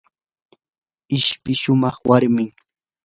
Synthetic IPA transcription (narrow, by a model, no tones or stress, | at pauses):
ɪʃpɪʃʊmɑχwaɾmɪŋ